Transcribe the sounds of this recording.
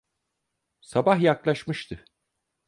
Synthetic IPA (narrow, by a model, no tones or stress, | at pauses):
sabaɦjaklˠaʃmɯʃt̪ʰɯ